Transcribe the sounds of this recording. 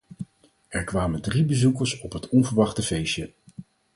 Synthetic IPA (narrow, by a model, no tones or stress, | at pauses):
ɛɹkʋaːməndribəzukəɹsɔpɦətɔnvəɹʋɑχtəvejʃə